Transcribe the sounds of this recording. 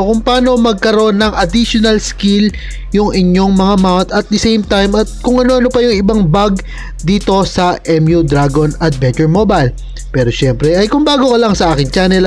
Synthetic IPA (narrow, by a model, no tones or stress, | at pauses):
kʊŋpaːno̞mɐɡ̚kɐɾo̞nːɐŋɐd̪iʃonɐlskil | jʊŋʔɪɲo̞ŋmɐŋamawnt̪ɐt̪̚d̪ɐsejmt̪ajmɐt̪̚kʊŋɐno̞ʔɐnopɐjʊŋɪbaŋbaɡ̚ | d̪iːt̪o̞sɐʔɛmjud̪ɾaɡonɐd̪̚vɛnt͡ʃɛɹmobɐjl | pɛːɾo̞ʃɛmpɾɛɐjkʊŋbaːɡo̞kɐlɐŋsɐʔaːkɪŋt͡ʃaːnɛl